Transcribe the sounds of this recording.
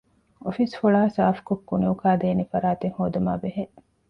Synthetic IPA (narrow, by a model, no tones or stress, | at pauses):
ofisfuɭaːsaːfkokːuniukaːd̪eːnifɐɾaːt̪eŋhoːd̪uma̰ːbeɦe